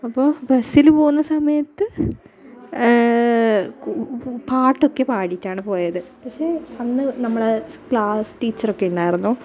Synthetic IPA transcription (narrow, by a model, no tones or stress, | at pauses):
ɐpːo̞ːbɐsilpo̞ːɣunːɐsɐmɐjɐt̪ːɨ | paːʈːokːe̞paːɽitʲːaːɳɨpo̞ːjɐðɨpɐkʂe̞ːɐnːɨnɐmːɐɭekɭaːsʈiːt͡ɕːɐrokːe̞uɳɖaːjiɾunːuː